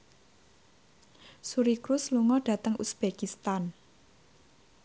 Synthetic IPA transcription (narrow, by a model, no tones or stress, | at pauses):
suɾikɾusluŋɔɖ̥ä̤t̪əŋʔusb̥ekist̪an